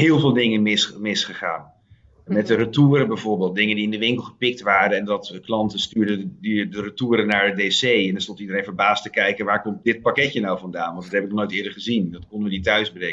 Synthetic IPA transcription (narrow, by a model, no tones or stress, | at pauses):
ɦɪːlˠvɪːlˠdɪŋənmɪsmɪsχəχa̰ːn | mɛtərətuːɾəbɛjvʊːɹbeːlˠt̚dɪŋəndiɪndəʋɪŋkəlˠχəpɪk̚tʋaːɾəɛndɑtklɑntəstyːɹdədədərətuːɾənaːɹədesejɛndəɹstɔntidəɾejnvəɹbaːstəkɛjkənʋaːɹkɔmt̚dɪt̚pakɛcənawvɑndaːnʋɑntdɑthɛbɪknɔχnoːjtɪːdəɹχəzindɑtkɔndəʋənitœɥzbreə